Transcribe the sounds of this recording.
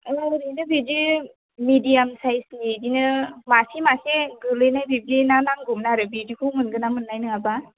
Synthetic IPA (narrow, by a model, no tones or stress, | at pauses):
ɾinɯbidi | midijamsajsnidinɯmasimaseɡɯlɯjnajbiblinanaŋɡumnaɾɯbidikʰumɯnɡɯnamɯnːajnɯŋaba